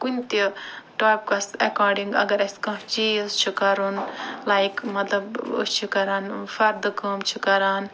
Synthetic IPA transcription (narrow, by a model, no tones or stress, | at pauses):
kunt̪iʈoːp̚kɐsɐkaːɖiŋɡɐ̰ɡɐɾɐskɐ̃ɦt͡ʃist͡ʃʰikɐɾunlaːjikmɐt̪lɐbə̰st͡ʃʰikɐɾaːnfɐɾd̪ɨkɐːmt͡ʃʰikɐɾaːn